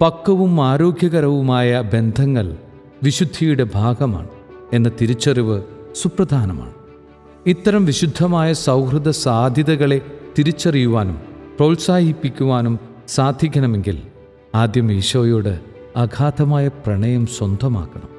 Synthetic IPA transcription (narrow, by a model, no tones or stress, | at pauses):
pɐkːɐʋumaːɾo̞ːɡʱjɐɣɐɾɐʋumaːjɐbe̞nd̪ʱɐŋːɐɭ | ʋiɕud̪ʱːijuɽe̞bʱaːɡɐma̰ːɳɨ | e̞nːɐt̪iɾit͡ɕːɐriʋɨsuprɐd̪ʱaːnɐma̰ːɳɨ | it̪ːɐɾɐmʋiɕud̪ʱːɐmaːjɐsɐwkrɨd̪ɐsaːd̪ʱjɐðɐɣɐɭe̞t̪iɾit͡ɕːɐrijuʋaːnumprɐwlsaːhipːikʲːuʋaːnum | saːd̪ʱjikːɐnɐme̞ŋɡil | aːd̪jɐmiːʂɐʋɐjo̞ːɽɨ | ɐɡʱaːd̪ɐmaːjɐprɐɳɐjɐmswɐnd̪ʱɐma̰ːkːɐɳɐm